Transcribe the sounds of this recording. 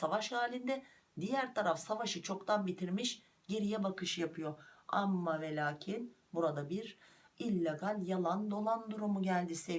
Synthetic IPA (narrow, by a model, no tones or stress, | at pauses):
savaʃhaːlʲind̪ɛ | d̪ijæɾt̪ʰaɾafsavaʃɯt͡ʃʰo̞kt̪ʰanbit̪ʰiɾmiʃ | ɟeɾijɛbakɯʃjapʰɯjo̞amːavelʲaːcʰinbuɾad̪abiɾilʲːeɡalʲjalˠand̪o̞lˠand̪uɾumuɟælʲd̪ise